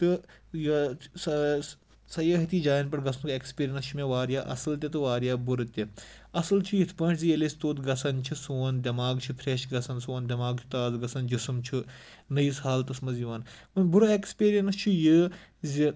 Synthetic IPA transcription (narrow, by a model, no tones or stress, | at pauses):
t̪ɨ | jɐsɐ | sɐjəːɦɐt̪iːd͡ʒaːjɐnpɐʈɡɐsʰnkekspiːɾijɐnst͡ʃʰumeʋaːɾjaːʔɐ̰sɐlt̪ʲet̪ɨʋaːɾjaːbuɾɨt̪ʲe | ɐsɐlt͡ʃʰijit̪ʰpɐ̃ːʈʰzielesʲt̪oːt̪ɡɐsɐnt͡ʃʰisoːnd̪ʲɐmaːɡt͡ʃʰipʰɾeːʃɡɐsɐnsoːnd̪ʲɐmaːɡ̚t͡ʃʰu̥t̪aːzɡɐsɐnd͡ʒisɨmt͡ʃʰu | nɐjishaːlt̪ɐsmɐziʋaːnmɐnʲbuɾɐekspiːɾijɐnst͡ʃʰujɨzʲi